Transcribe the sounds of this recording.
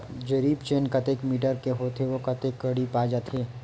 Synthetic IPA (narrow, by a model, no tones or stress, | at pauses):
d͡ʒɐɾiːbt͡ʃeːnkɐt̪eːkmiːʈəɾkeɦoːt̪eʋokɐt̪ekːɐɽipaːd͡ʒaːt̪ʰeː